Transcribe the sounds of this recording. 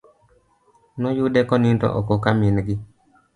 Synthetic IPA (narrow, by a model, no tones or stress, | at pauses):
nɔjudɛkɔnintɔ̰ʔokokamɪnɡɪ